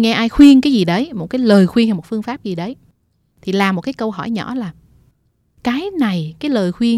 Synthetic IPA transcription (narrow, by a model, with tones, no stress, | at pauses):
ŋɛ˧ʔaː˧jxwi˧əŋkaː˨˦jzi˨˩ɗə˨˦jmo˨˩t̚kaː˨˦jləː˨˩jxwi˧ŋhɛ˧˩mo˨˩t̚fɨ˧əŋfaː˦˥p̚zi˨˩ɗə˨˦j | t̪ʰi˨˩laː˨˩mo˨˩t̚kaː˨˦jkə˧wɦɔ̰˧˩jɲɔ̰˧˥laː˨˩ | kaː˨˦jna˨˩jkaː˨˦jləː˨˩jxwi˧əŋ